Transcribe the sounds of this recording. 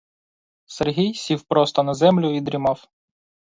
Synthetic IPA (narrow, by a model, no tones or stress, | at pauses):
serɦʲijsʲiwpɾɔst̪ɔnɐzɛmlʲʊid̪ɾʲimɑw